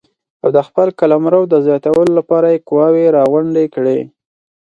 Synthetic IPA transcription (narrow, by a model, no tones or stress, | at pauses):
awd̪əxpəlkalamɾəwd̪əzjɑt̪awəlolapɑɾajekʊwɑweɾɑɣwʊɳɖekɽe